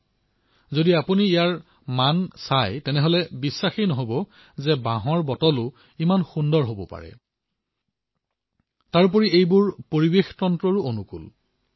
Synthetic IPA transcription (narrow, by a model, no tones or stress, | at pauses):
zodiapuniːjaɹ | mansajtɛnɛɦɔlɛbisːaxejnɔɦobɔ | zɛbaɦɔɹbɔtɔlʊ | imanxundɔɹɦobɔpa̰ɹɛ̰ | taɹp̬ɔɹiejbʊɹpoɹibextɔntɹɔɹuonukṵl